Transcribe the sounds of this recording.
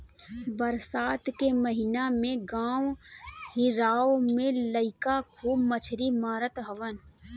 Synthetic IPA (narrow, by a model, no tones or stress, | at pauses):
bəɾsaːt̪keməɦɪnamẽɡãːwhɪɾaːomẽləɪkakʰuːbmət͡ʃʰɾimaːɾət̪ɦəʋən